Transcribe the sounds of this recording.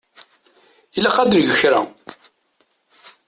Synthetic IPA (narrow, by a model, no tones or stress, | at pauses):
ilːæqæd̪ɾəʝəçɾæ̰